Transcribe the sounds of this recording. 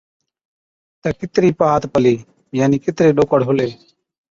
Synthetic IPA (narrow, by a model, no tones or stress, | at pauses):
t̪eːkɪt̪ɾiːpaːt̪pəliː | jaːniːkɪt̪ɾeːɗoːkəɽɦʊleː